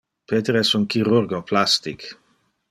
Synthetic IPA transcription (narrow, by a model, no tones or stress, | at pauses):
peːt̪eɾɛsunkiɾuɾɡoplast̪ik